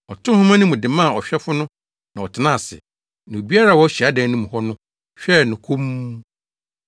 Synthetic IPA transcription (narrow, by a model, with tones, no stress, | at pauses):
ɔ˨tʰʊ̃˦hʊ̃˦mã˦nʊ̃˦mʊ̃˨dɪ˨mã˦˨ɔ˨ɕᶣɛ˦fʊ˦nʊ̃˦ | nã˨ɔ˨tʰɪ˨nã˦˨sɪ̰˨ | nã˨o˨bi˦a˦ɾa˦˨wɔ˦ɕi˨a˦dã˨˦nʊ̃˦mʊ̃˨hɔ˦nʊ̃˦ | ɕᶣɛ˦nʊ̃˨kʰũ˦m˦